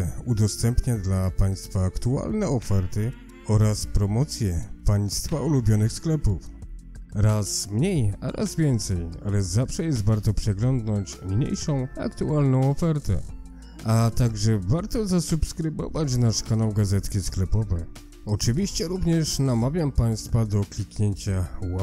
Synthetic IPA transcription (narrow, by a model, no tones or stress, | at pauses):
ud̪ɔst̪ɛmpɲad̪lapaj̃st̪faːkt̪ua̰lnɛɔfɛɾt̪ɘ | ɔɾaspɾɔmɔt̪sʲjɛpajst̪faulubʲjɔnɘxsklɛpuf | ɾasmɲeja̰ɾʔa̰zvʲjɛnt̪sɛja̰lɛzafʂɛjɛst̪vaɾt̪ɔpʂɛɡlɔnd̪nɔɲt͡ɕmɲḛjʂɔ̃w̃a̰kt̪ualnɔ̃w̃ɔfɛɾt̪ɛ̰ | at̪aɡʐɛvaɾt̪ɔzasupskɾɘvɔ̰vat͡ɕnaʂkanɔ̃wɡazɛt̪kʲisklɛpɔvɛ | ɔt͡ʂɘvʲiɕt͡ɕɛɾuvɲɛʂnamavʲjampaj̃st̪fad̪ɔklʲikɲeɲt͡ɕawa